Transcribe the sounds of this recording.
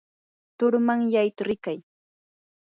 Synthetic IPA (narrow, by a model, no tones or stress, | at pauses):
t̪ʊɾmaŋjajt̪aɾɪkaj